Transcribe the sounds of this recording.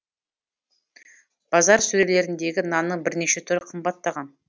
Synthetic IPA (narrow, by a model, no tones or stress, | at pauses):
b̥ɑzɑɾsɵɾele̞ɾɪnd̪e̞ɡʲɪnɑnəbɪɾne̞ʃe̞t̪ʰʏɾɪqʰəmbɑt̪ːɑʁɑn